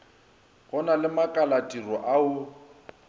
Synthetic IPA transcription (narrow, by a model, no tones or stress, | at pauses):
ɣɔnalɪmakʼalatʼirɔʔaʊ